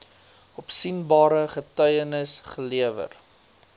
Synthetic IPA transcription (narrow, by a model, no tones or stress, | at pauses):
ɔpsinbɑːɾəχətœɥjənəsχəliəvə̰r